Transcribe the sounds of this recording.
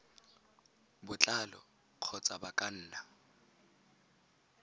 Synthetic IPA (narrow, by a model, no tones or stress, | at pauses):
bʊt͡ɬʼalɔ̰ | q͡χʰɔt͡sʼabakʼan̩ːna